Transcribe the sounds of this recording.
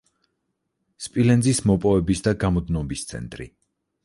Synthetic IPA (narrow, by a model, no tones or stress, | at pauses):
spʼilɛnzismɔpʼɔvɛbisd̪aɡamɔd̪nɔbist̪sʰɛ̰nt̪ʼɾḭ